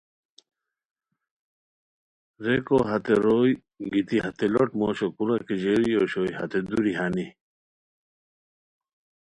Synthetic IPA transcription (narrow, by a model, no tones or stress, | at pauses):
ɾekoɦɐt̪eɾoj | ɡit̪ihɐt̪elɔʈmoɕokuɾakeʑeɾioːɕojhɐ̰t̪ed̪uɾiɦani